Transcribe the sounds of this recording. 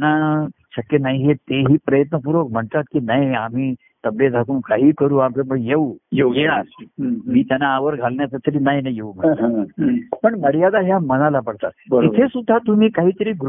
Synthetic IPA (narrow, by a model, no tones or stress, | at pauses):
naɕəkːjenaiɦet̪eɦiːpɾəjət̪nəp̬uɾʋəkm̤əɳt̪at̪̚kiːnaiam̤iː | t̪əbjed͡zʱakuːnkaɦiːkəɾuːampeməjeujejeɭa | miːt̪janaːʋəɾɡʱalnjat͡sət̪əɾiːnaɦinajeum̤ə | pəɳməɽijad̪aɦjamənalapəɽt̪at̪bəɾiesud̪ʱːat̪um̤iːkaɦiːt̪əɾiːɡɾ